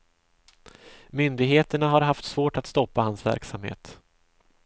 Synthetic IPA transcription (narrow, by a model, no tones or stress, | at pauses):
mʏnd̪ɪɡɦeːt̪əɳaɦaɾɦaft̪svoːʈat̪st̪ɔpːahansvæ̰ɾksamhḛːt̪